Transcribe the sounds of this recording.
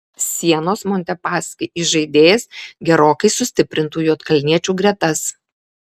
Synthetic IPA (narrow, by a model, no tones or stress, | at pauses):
sʲiɛnoːsmonʲt̪ʲɛpɑːsʲkʲɪʔɪʒɐɪd̪ʲeːjsɡʲɛɾoːkɐɪsʊsʲt̪ʲɪpʲɾʲɪnt̪uːjuːt̪kɐlʲnʲiɛt͡ʃʲuːɡɾʲiɛt̪ɐs